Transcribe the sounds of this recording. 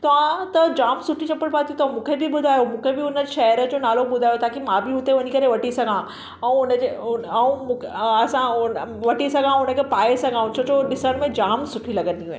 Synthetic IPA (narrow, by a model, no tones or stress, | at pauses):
t̪ɐʋãt̪ɐd͡ʑaːmsʊʈʰit͡ɕɐpəɽbaːd̪ʰiũt̪ɐ̃mũːkʰebɪbʊd̪ʱaːjomũːkʰebɪʊnəʃɐɦəɾə̆d͡ʑonaːlobʊd̪ʱaːjot̪ʰaːkimãːbʱɪɦʊt̪eʋɐɲikɐɾeʋɐʈisɐɡʱã | ɛ̃ũʊnəd͡ʑeũmũːɐsãʊnʋɐʈisɐɡʱãʊnə̆kʰepaːesɐɡʱãːũt͡ɕʰoːt͡ɕoɗɪsəɽmẽd͡ʑaːmsʊʈʰilɐɡənd̪iɦũẽː